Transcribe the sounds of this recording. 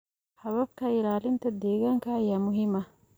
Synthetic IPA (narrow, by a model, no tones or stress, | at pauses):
ħɐβɐbkʰɐɪlaːlɪnt̪ʰɐd̪ɛːɣaːŋkʰɐːjaːmʊɦɪmɐ